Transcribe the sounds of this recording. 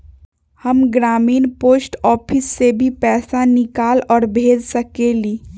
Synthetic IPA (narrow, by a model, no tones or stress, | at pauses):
həmɡɾaːmiːnpoːsʈɔːpʰɪsːebʱipɛːsanɪkaːlɔːɾbʱeːd͡ʒsɐkeliː